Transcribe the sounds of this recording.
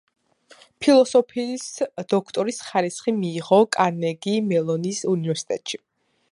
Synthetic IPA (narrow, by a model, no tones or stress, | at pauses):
pʰilˠɔsɔpʰisd̪̥ɔkʰt̪ʼɔɾisχaɾisχimiːʁɔkʼanɛɡimɛlˠɔnisunivɛɾsi̥t̪ʼɛt̪ʼʃi